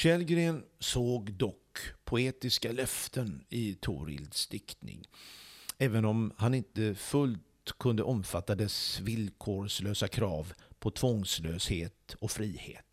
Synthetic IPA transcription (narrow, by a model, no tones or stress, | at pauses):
ɕɛlɡɾeːnsoːɡd̪ɔkpʰʊeːt̪ɪskalœft̪ʰənɪt̪ʰṵːɾɪ̰ld̪sd̪ɪkt̪nɪ̰ŋ | ɛːvənɔmhanɪnt̪əfɵlt̪kʰɵnd̪əʔɔmfat̪ːad̪ɛsvɪlkʰoːsløːsakʰɾɑːvpʰɔt̪ʰvɔŋsløːsheːt̪ɔfɾiːhḛːt̪